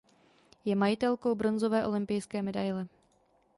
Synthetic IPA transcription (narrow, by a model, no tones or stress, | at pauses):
jɛmajɪt̪ɛlko̞wbɾo̞nzovɛːʔo̞lɪmpɪjskɛːmɛdajlɛ